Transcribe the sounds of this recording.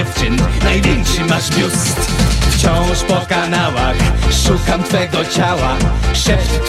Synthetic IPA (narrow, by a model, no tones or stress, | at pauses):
ɛft͡ʂɨnnajvʲjɛŋkʂɨmaʐmʲjust̪ft͡ɕɔ̃w̃ʂpɔkanawa̰xʂukamt̪fɛɡɔt͡ɕawaʂɛ